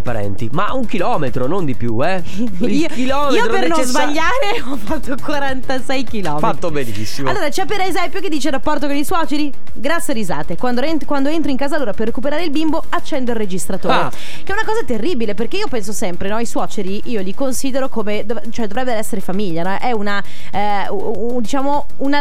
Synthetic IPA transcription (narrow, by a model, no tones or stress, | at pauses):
pːaɾɛ̰nt̪imauŋkilɔmet̪ɾonond̪ipjṵɛ | iokilɔiːoɾpernõzbaʎːaːɾe | ɔfːat̪ːokwaɾant̪asɛjkilɔːmfat̪ːobenisːimalloːɾat͡ʃɛpːeɾezɛmpjoked̪ːiːt͡ʃerapːɔrt̪okoniswɔt͡ʃeɾi | ɡɾat̪sːjaɾiza̰ːt̪ekwand̪onkwand̪oent̪ɾoiŋkaːzaloːɾaperːekupeɾaːɾeilbimboat͡ʃːɛnd̪oilrːed͡ʒist̪ɾat̪oːɾe | keɛunakɔːzat̪erːiːbileperkeiːopɛns̬osɛmpɾenɔiswɔːt͡ʃeɾiʔiːolikonsiːd̪eɾokomed̪ot͡ʃoɛd̪ovɾɛbːeɾoɛsːeɾefamiʎːanɔʔɛuna | d̪it͡ʃaːmo | una